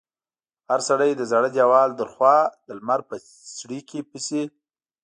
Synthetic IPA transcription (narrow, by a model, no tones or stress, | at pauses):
haɾsaɽajd̪əzaɽəd̪ʲjawɑld̪əlxwɑd̪̥əlmaɾ̚pə | sɽikepəse